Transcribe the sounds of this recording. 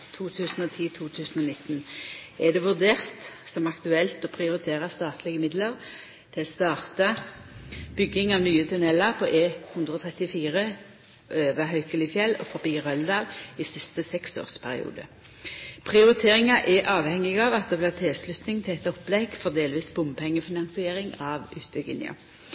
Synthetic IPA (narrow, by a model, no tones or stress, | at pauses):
t̪ʰuːt̪ʰʉːsn̩ɔt̪ʰiːt̪ʰuːt̪ʰʉːsnɔnɪt̪ːn̩ɛd̪ɛʋʉʁd̪eːʁt̪sɔmɑkt̪ʉɛlt̪ɔpʰʁɪʊʁɪt̪ʰeːʁəst̪ɑːt̪lɪɡəmɪd̪ləʁ | t̪ʰɪlst̪ɑːʁt̪ə | b̥ʏɡːɪŋɑʋnyːət̪ʰʉnɛlɑʁpʰɔʔeːhʉnd̪ʁəɔːt̪ʰʁɛt̪ɪfiːʁə | ʔøːʋəɦœʏkəlɪfjɛlːɔ̰fɔbiːʁœld̪ɑːlɪsɪst̪əsɛkso̰ːʁspʰæʁɪ̰ṵːd̪ə̰ | pʰʁɪʊʁɪt̪ʰeːʁɪŋɑʔɛʔɑːʋhɛŋːɪɡɑːʋɑt̪̚d̪ɛblɪːʁt̪ʰɪlslʉt̪nɪŋt̪ʰɪlɛt̪ːɔpːlɛɡ̥fɔʁd̪eːlʋiːsbʊmpʰɛŋːəfɪnɑnsɪeːɾɪŋɑʋʉ̰ːt̪̚bʏɡɪ̰nɪ̰ɑ̰